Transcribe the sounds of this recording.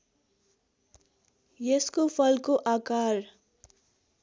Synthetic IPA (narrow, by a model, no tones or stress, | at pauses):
jeskopʰʌlkoʔakar